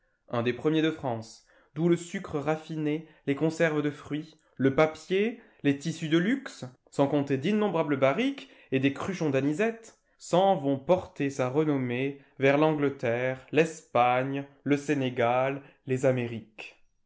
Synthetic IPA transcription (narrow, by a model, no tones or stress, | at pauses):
ɛ̃d̪epχəmjed̪əfχɑ̃s | d̪uləsykχəʁafinelekɔ̃sɛʁvd̪əfχɥi | ləpapje | let̪isyd̪əlyks | sɑ̃kɔ̃t̪ed̪inːɔ̃bʁabləbaʁik | ed̪ekχyʃɔ̃d̪anizɛt̪ | sɑ̃vɔ̃pɔʁt̪esaʁənɔme | vɛʁlɑ̃ɡlət̪ɛʁlɛspaɲləseneɡalː | ezameʁik